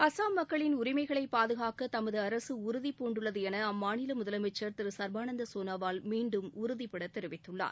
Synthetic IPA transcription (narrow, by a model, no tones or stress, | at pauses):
ɐsaːmːɐkːɐɭɪnʊɾɪmɐɪɣɐɭɐɪpːaːðɯɣaːkːɐt̪ɐmɐðɯɐɾɐsɯʊɾʊðipːoːɳɖɯɭːɐðɯɛnɐɐmːaːnɪlɐmʊðɐlɐmɛt͡ʃːɐɾt̪ɪɾɯsɐɾbaːnɐnd̪ɐsoːnɐʋaːlmiːɳɖɯmʊɾʊðipːɪɽɐt̪ːɛɾɪʋɪt̪ːɯɭːa̰ːɾ